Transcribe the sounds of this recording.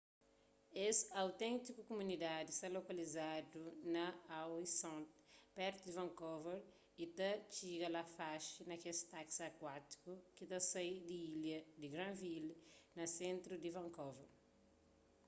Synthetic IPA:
esɐwt̪ẽnt̪ikukumunid̪ad̪ist̪ɐlokɐlizad̪unɐawisɔ̃nt̪pɛɾt̪ud̪ivɐ̃ŋkoveɾ | it̪ɐt͡ʃiɡɐlɐfaʃinɐkest̪aksɐkwat̪i̥kukit̪ɐsɐid̪iiljɐd̪iɡɾãvilnɐsẽnt̪ɾud̪ivɐ̃ŋkoveɾ

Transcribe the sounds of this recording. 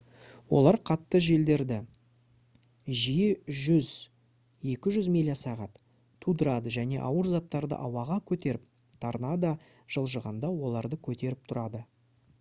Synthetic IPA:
wo̞̰lˠɑɾqʰɑt̪ːəʒe̞ld̪e̞ɾd̪ɪ | ʒijeʒʏz | je̞kʲɪʒʏzmelʲijasɑʁɑt̪ | t̪ʰːud̪əɾɑd̪əʒæne̞̰ʔɑwəɾzɑt̪ːɑɾd̪ə̰ʔɑwɑʁɑkʲʰɵt̪e̞ɾɪp̚ | t̪ʰɑɾnɑd̪ɑ | ʒ̥əlˠʒəʁənd̪ɑwo̞lˠɑɾd̪əkʲʰɵt̪e̞ɾɪp̚t̪ʰʊɾɑd̪ə

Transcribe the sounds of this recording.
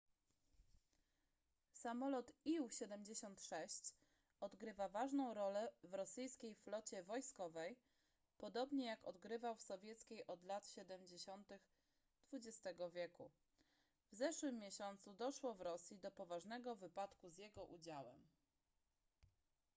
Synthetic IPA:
samɔlɔt̪iwɕɛd̪ɛmd͡ʑeɕɔnt̪ʂɛɕt͡ɕ | ɔd̪ɡɾɘvavaʐnɔ̃w̃ɾɔlɛvɾɔsɘjskʲejflɔt͡ɕɛvɔjskɔvɛj | pɔd̪ɔbɲɛjakɔd̪ɡɾɘvawfsɔvʲjɛt̪skʲejʔɔd̪lat̪ɕɛd̪ɛmd͡ʑeɕɔnt̪ɘx | d̪̥vud͡ʑɛst̪ɛɡɔvʲjɛku | vzɛʂwɘmːʲjɛɕɔnt̪sud̪ɔʂwɔvɾɔsʲjid̪ɔpɔvaʐnɛɡɔvɘpat̪kuzʲjɛɡɔʔud͡ʑawɛ̰m

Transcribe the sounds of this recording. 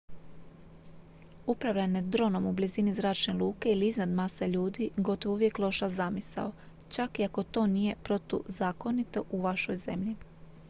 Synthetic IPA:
upɾaʋʎaned̪ɾo̞no̞mublizinizɾaːt͡ʃne̞lˠuːke̞iliiznad̪maːsaʎuːd̪iɡo̞t̪oʋouʋje̞klˠo̞ʃazamisa̰o | t͡ʃakiako̞t̪o̞ːnije̞pɾo̞t̪ṵzaːko̞nit̪o̞ʔuʋaʃo̞jze̞mʎi

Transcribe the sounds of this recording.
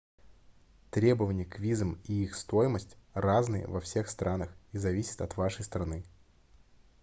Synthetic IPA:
t̪ɾʲe̞bəvənʲɪjəkvʲizəmiixst̪o̞jɪməsʲtʲraznɨjə̰vɐfsʲe̞xst̪ɾʔanəxizɐvʲisʲɪ̥t̪ɐt̪vaʂəjst̪ɾɐnɨ

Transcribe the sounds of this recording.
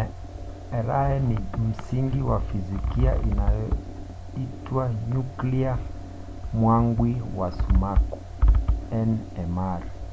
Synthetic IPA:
ɛɾaɛnim̩siŋɡiwafizikia̰ʔinajɔ | itwaɲuklia | mwaŋɡwiwasumaku̥ | ɛnɛmaɾ

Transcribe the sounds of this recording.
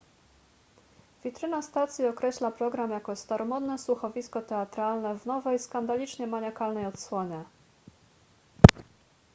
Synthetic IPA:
vʲit̪ɾɘnast̪at̪sʲjiɔkɾɛɕlapɾɔɡɾamjakɔst̪aɾʔɔmɔd̪nɛsuxɔvʲiskɔt̪ɛat̪ɾalnɛvnɔvɛjskand̪alʲit͡ʂɲɛmaɲakalnɛjɔt̪swɔɲɛ

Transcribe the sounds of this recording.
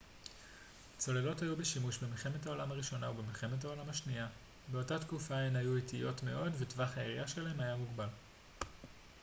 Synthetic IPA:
t͡so̞lelo̞thajube̞ʃimuʃbemilχe̞methao̞lamaʁiʃo̞naubemilχe̞met̬ao̞lamaʃnia | be̞o̞tat̪kufaenajuitijo̞tme̞̰ʔo̞dvetvaχhaeʁijaʃelaɦemajamuɡbal

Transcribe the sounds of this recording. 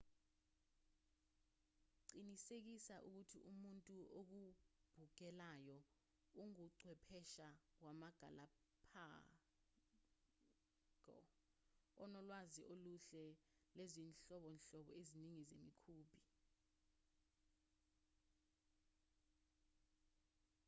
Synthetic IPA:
ǀinisek̬isaʔuk̬utʰḭʔumuntʼuʔok̬ub̥ʱuɡ̥̬ʼɛlajɔ | uŋuǀwɛpʰɛʃawamaɡ̥ʱala | pʰa | kɔ̰ | ɔnɔlwaziʔoluɬɛlezinɬɔɓɔnɬɔɓɔeziniŋizemikʰuːbʱi

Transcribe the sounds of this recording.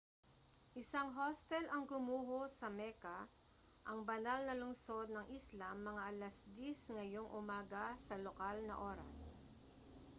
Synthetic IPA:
ʔɪsaŋɦost̪ɛlʔɐŋɡʊmuːɦosɐmɛkɐ | ʔɐŋbɐnalnɐlʊŋso̞d̪̚nɐŋʔislamːɐŋaʔɐlasd̪isŋɐjoŋʔʊmaːɡɐsɐlokalnɐʔo̞ːɾɐ̰s

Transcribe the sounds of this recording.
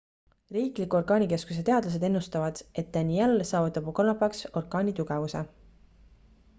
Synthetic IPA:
riːklikːuo̞rɡ̥ɑːnʲike̞skus̬et̪e̞ɑd̪lɑs̬e̞d̪e̞nːust̪ɑvɑd̪̥e̞t̪̚d̪̥ænʲielːsɑːvut̪ːˑɑbukolnɑpːˑɑkso̞rɡ̥ɑːnʲit̪uɡ̥ɛvuse

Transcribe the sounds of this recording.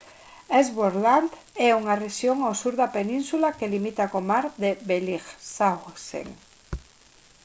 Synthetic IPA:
ezβoɾland̪ | ɛuŋareʃjoŋawsuɾðapenĩnsulakelimit̪akomaɾðeβeliɣsasḛŋ

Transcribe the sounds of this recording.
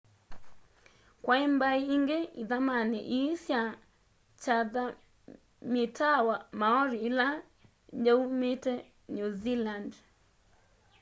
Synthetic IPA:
kwaimbaiːŋɡeiðamanḭʔisja | t͡ʃaða | mitʰawamaɔɾiːla | d͡ʒaumetɛ | nuziland

